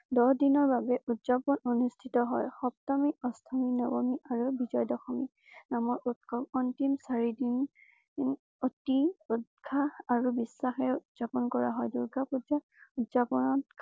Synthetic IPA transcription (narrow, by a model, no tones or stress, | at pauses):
dɔdinɔɹbabɛʔutzapɔnonustʰitɔɦɔjxɔp̚tɔmiɔstʰaminɔbɔmiʔaɹubizɔjdɔxɔmi | namɔɹut̚kʰɔmɔntimsaɹidin | ɔtiut̚kʰaːɹubisːaxɛudz̥apɔnkɔɹa̰ɦɔjduɹɡʱapud͡ʒa | utzapɔnɔtk